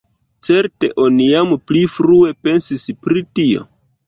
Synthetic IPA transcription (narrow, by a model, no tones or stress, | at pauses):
t͡se̞ɾte̞̰ʔo̞nijamplifɾue̞pe̞nsispɾitio̞̰